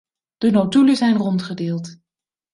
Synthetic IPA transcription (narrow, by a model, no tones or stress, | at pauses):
d̥ənotyləzɛjnrɔntχədɪːlˠt